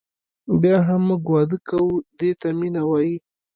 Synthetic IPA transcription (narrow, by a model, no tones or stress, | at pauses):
bjɑɦamːuɡwɑd̪əkawud̪et̪aminawɑji